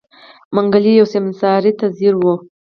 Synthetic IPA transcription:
maŋɡalijawsɪmnsɑɾit̪aziɾwu

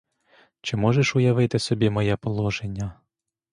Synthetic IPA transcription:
t͡ʃɪmɔʒeʃʊjɐʋɪt̪ɪsɔbʲimɔjɛpɔlˠɔʒenʲːɐ

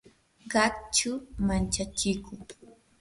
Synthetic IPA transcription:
ɢɑkt͡ʃʊmant͡ʃat͡ʃɪkʊŋ

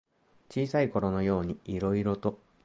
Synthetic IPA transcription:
t͡ɕiːsaiko̞ɾo̞no̞jo̞ːɲ̟iiɾo̞iɾo̞t̪o̞

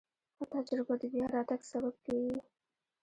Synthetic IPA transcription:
at̪ad͡ʒɾɪbad̪əbjɑɾɑd̪aɡsabab̚kawi

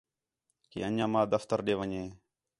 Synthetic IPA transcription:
kḭːənãːmãːd̪əft̪əɾɗeːʋəɲeː

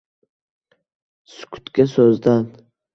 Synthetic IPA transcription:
sʊ̥kʰʊ̥t̪kʲasɵzd̪an

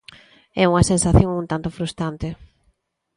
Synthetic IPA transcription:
ɛuŋɐsẽnsaθjoŋũnt̪ant̪ʊfɾust̪ɾant̪ɪ

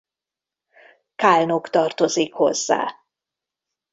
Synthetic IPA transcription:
kalnokt̪ɒrt̪ozikho̞̰zːa̰ː

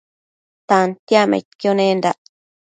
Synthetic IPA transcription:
t̪ant̪jamḛt̪kjonẽnd̪a

